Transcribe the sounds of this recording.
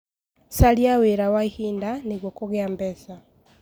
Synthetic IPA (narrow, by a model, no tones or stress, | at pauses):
saljaweɾawaihiːndaniɣwokuɣaːmbɛsa